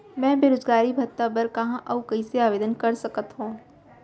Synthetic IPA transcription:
mɛ̃ːbʱeːɾoːd͡ʒɡaːɾibʱɐt̪ːabəɾkɐɦãʔɐukɐiseaːʋeːd̪ənkɐɾsɐkət̪ɦũː

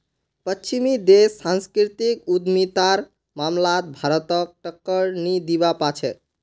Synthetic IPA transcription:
pət͡ʃimid̪esːãnskɾit̪ikud̪mit̪aɾ | mamlat̪̚bʱaɾət̪ʌk̚ʈəkːəɾnid̪ibapat͡ʃʰɛ

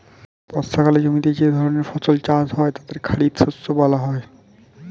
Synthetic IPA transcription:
pɔst̪ʰakaled͡ʑomit̪ed͡ʑed̪ʱɔɾoneɾfɔsolt͡ɕasɦɔet̪ad̪eɾkʰaɽit̪ʃosːobɔlaɦɔe

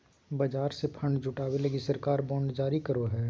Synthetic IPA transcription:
bɐd͡ʒaːɾsepʰə̃ɳɖd͡ʒʱʊʈaːweləɡisɐɾkaːɾbɔ̃ːɳɖd͡ʒaːɾikɐɾoɦɛː

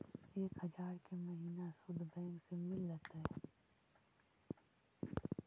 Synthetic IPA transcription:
eːkhəd͡ʒaːɾkeməɦiːnasʊd̪ʱbɛ̃ːŋksemɪlːət̪ɦɛ

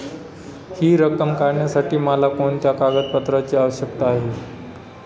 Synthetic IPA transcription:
hiːɾəkəmkaɾɳjasaʈiːməlakoɳt̪jakaɡəd̪̚pət̪ɾat͡ɕeːaʋəɕjək̚t̪əaɦe

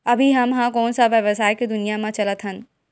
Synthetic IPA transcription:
ɐbʱiɦɐmɦãkɔːnsaʋəʋəsaːjked̪ʊnijamãt͡ʃɐlət̪ɦən

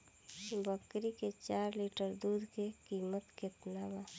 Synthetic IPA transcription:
bəkɾiket͡ʃaːɾliːʈəɾd̪uːd̪kekiːmət̪kɪt̪naba

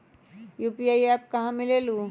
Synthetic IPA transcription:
juːpiaːiɛːp̚kɐɦãmɪleːluː

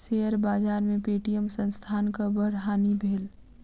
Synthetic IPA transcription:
seːəɾbaːd͡ʒaːɾmẽpeːʈijəmsə̃nst̪ʰaːnkabəɾɦaːnibʱeːl

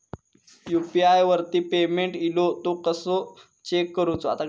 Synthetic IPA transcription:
jupiajʋəɾt̪iːpemeɳʈilot̪okəsɔ | t͡ɕekːəɾũt͡soa̰t̪a

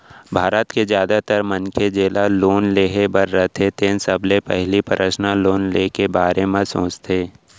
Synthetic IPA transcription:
bʱaːɾət̪kezjaːd̪at̪əɾmənked͡ʒeːlaloːnleːɦebəɾːət̪ʰet̪eːnsəblepɛɦlipəɾʔəʃnaloːnlekebaːɾemãsõːt͡ʃt̪ʰeː

